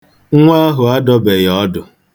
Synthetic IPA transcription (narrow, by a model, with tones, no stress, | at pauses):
ŋ̩˦ŋʷa˦ɦʊ˨a˦dɔ˦be˨jɔ˦dʊ˨